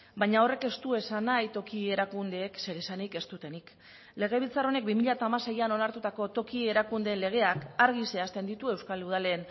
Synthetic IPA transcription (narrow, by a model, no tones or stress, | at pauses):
bajɲao̞re̞ke̞st̪ue̞sanajt̪o̞kie̞ɾakund̪e̞ːkse̞ɾesanike̞st̪ut̪e̞nik | le̞ɣ̞e̞β̞ilt͡saro̞ne̞k̚bimiʎat̪aːmase̞jano̞naɾt̪ut̪ako̞t̪o̞kie̞ɾakund̪enle̞ɣ̞e̞akaɾɣ̞ise̞ast̪e̞nd̪it̪ue̞wskalewð̞ale̞ːn